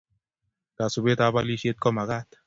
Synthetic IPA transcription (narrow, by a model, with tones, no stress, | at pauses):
ka˨su˨be˦ta˦ba˦li˦ʃe˦t̪̚kɔ˦ma˨ɡa˦t̪